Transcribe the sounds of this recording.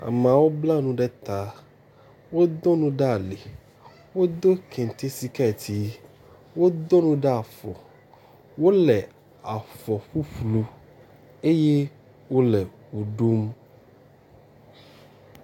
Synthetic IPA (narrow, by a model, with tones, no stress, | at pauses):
a̰˨mã˨wo˦bla˦nũ˦ɖɛ˦t̪a˨ | wo˦d̪ɔ˦nũ˦ɖɛ˦a˨le˨ | wo˦d̪o˦kʰɛ̃˨n˨t̪e˦si˦ka˦˨t̪ʰi˨ | wo˦d̪ɔ˦nũ˦ɖɛ˦a˨fɔ˨ | wo˦lɛ˨ | a˨fɔ˨ɸu˦ɸlu˦ | e˦je˦ | wo˦lɛ˨ | wo˨ɖo˦m